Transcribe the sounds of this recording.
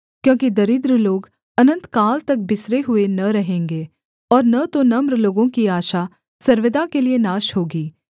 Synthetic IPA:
kjõːkid̪ɐɾɪd̪ɾəloːɡ | ɐnə̃nt̪kaːlt̪ɐk̚bɪsɾeɦʊenɐɾɐɦẽːŋɡeː | ɔːɾnɐt̪onɐmɾloːɡõkiaːʃa | sɐɾʋəd̪akelienaːʃhoːɡiː

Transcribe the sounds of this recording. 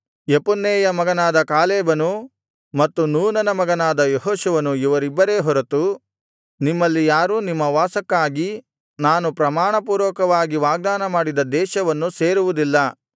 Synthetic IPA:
jepunːeːjɐmɐɡɐnaːd̪ɐkaːleːbɐnu | mɐt̪ːunuːnɐnɐmɐɡɐnaːd̪ɐjɔɦoːʃuʋɐnuiʋɐɾibːɐɾe̞ːɦɔɾɐt̪u | nimːɐlːijaːɾuːnimːɐʋaːsɐkːaːɡi | naːnupɾɐmaːɳɐpuːɾʋɐkɐʋaːɡiʋaːɡ̚d̪aːnɐmaːɽid̪ɐd̪ɛːʃɐʋɐnːuseːɾuʋud̪ilːɐ

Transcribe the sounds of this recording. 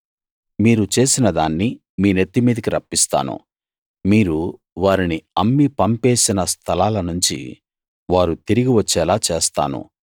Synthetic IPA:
miːɾut͡ʃe̞ːsinɐd̪aːnːi | miːnet̪ːimiːd̪ɐkiɾɐpːist̪a̰ːnṵ | miːɾu | ʋaːɾiniɐmːipɐmpe̞ːsinɐst̪ʰɐlaːlɐnuɲt͡ʃḭ | ʋaːɾut̪iɾiɡiʋɐt͡ʃːɛːlaːt͡ʃeːst̪a̰ːnṵ

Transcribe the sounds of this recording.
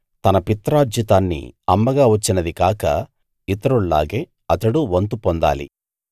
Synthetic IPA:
t̪ɐnɐpit̪ːɾaːd͡ʒit̪aːnːḭɐmːɐɡaːʋɐt͡ʃːinɐd̪ikaːkɐ̰ | it̪ɐɾuɭla̰ːɡeː | ɐt̪ɐɽuʋɐnt̪upɔnd̪a̰ːlḭ

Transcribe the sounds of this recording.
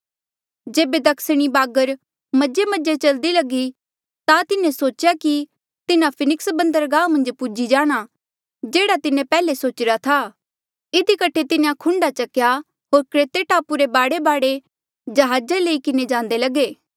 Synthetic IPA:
d͡ʒeːbed̪ɐkʰsəɽ̃ibaːɡəɾ | mɐd͡ʒemɐd͡ʒet͡ʃɐld̪ilɐɡi | t̪at̪ɪnẽsoːt͡ʃjaki | t̪ɪnãpʰɪnɪksbɐ̃nd̪əɾɡãːmɐ̃nd͡ʒpud͡ʒid͡ʒaːɽ̃a | d͡ʒeːɽat̪ɪnẽpɛːlesoːt͡ʃɪɾat̪ʰaː | ɪd̪ikɐʈʰet̪ɪnãkʰʊ̃ɳɖat͡ʃɐkja | ɦoːɾkɾeːt̪eʈaːpuɾebaːɽebaːɽe | d͡ʒɐɦaːd͡ʒeleikɪned͡ʒãːnd̪elɐɡeː

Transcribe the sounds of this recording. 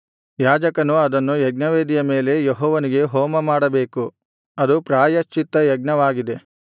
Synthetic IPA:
jaːd͡ʒɐkɐnuɐd̪ɐnːujɐɡ̚nɐʋeːd̪ijɐme̞ːle̞jeɦɔːʋɐniɡe̞ɦɔːmɐmaːɽɐbe̞ːku | ɐd̪upɾaːjɐʃt͡ʃːit̪ːɐjɐɡ̚nɐʋaːɡid̪e̞

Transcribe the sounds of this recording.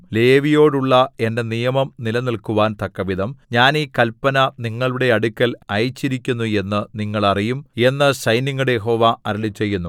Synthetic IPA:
le̞ːʋijo̞ːɽuɭːɐe̞nde̞nijɐmɐmnilɐnilkuʋaːnt̪ɐkːɐʋiðɐmɲaːniːkɐlpːɐnɐniŋːɐɭuɽe̞ɐɽukʲːɐlɐjt͡ɕːiɾikʲːunːue̞nːɨniŋːɐɭɐrijume̞nːɨɕɐjniŋːuɽejeɦo̞ːʋaʔɐɾɐlit͡ɕːe̞jːunːu

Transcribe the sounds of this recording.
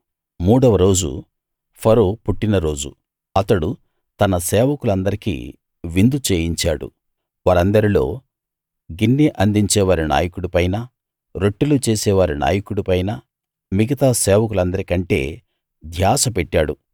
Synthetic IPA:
muːɽɐʋɐɾo̞ːd͡ʒṵ | pʰɐɾoːpuʈːinɐɾo̞ːd͡ʒṵ | ɐt̪ɐɽu | t̪ɐnɐsɛːʋɐkulɐnd̪ɐɾikḭː | ʋind̪ut͡ʃeːjiɲt͡ʃaːɽṵ | ʋaːɾɐnd̪ɐɾilo̞̰ː | ɡinːiʔɐnd̪iɲt͡ʃɛːʋaːɾina̰ːjɐkuɽupɐjnɐ | ɾoʈːulut͡ʃeːsɛːʋaːɾina̰ːjɐkuɽupɐjnɐ | miɡɐt̪aːsɛːʋɐk̬ulɐnd̪ɐɾikɐɳʈe̞̰ː | d̪ʱjaːsɐpeʈːaːɽu

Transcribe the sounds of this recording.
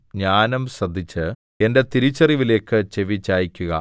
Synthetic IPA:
ɲaːnɐmsrɐd̪ʱːit͡ɕːɨ | e̞nde̞t̪iɾit͡ɕːɐriʋile̞ːkːɨt͡ɕe̞ʋit͡ɕːaːjikʲːuɣɐ̰

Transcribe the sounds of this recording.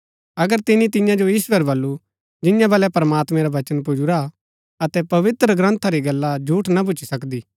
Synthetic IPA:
ɐɡəɾt̪ɪnĩt̪ɪ̃jãd͡ʒojiːsʋəɾbɐlːu | d͡ʒɪjãbɐlɛpɾɐmaːt̪mɛ̃ɾaʋɐt͡ʃənpʊd͡ʒuɾa | ɐt̪ɛpɐʋɪt̪ɾəɡɾə̃nt̪ʰaɾiɡɐlːad͡ʒʱuːʈnabʊt͡ʃi̥sɐkd̪iː

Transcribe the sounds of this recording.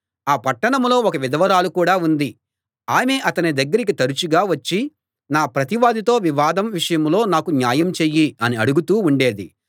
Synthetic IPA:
aːpɐʈːɐɳɐmlo̞ːɔkɐʋid̪ɐʋɐɾaːlukuːɽaːund̪i | aːme̞ʔɐt̪ɐnid̪ɐɡːɐɾikit̪ɐɾut͡ʃuɡaːʋɐt͡ʃːi | naːpɾɐt̪iʋaːd̪it̪o̞ːʋiʋaːd̪ɐmʋiʂɐjɐmlo̞ːnaːkunjaːjɐmt͡ʃeːjːiɐniɐɽuɡut̪uːuɳɖe̞ːd̪ḭ

